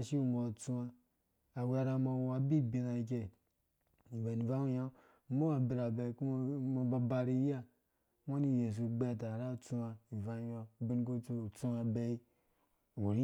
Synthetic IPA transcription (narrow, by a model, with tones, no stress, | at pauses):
ʃi˦u˦˨mo˨t͡su˦a˧ | a˨wʷa˨ɾa˨ma˨˦a˨bi˦bi˨na˨i˨k̬e˨ | i˨va˨ni˨va˦u˦ja˦˨ | mo˦a˨bi˨ɾa˨be˨˦ku˦m˦ma˨ba˨ba˨ɾi˦ja˦ | wʷa˦ni˦˨je˨s̬u˨ɡ͡be˦˨ta˨ɾa˦˨t͡su˦a˨i˨va˦ja˨bi˦n˦ku˦t͡su˦˨t͡su˦a˨be˦i˦˨ | o˨ɾi˦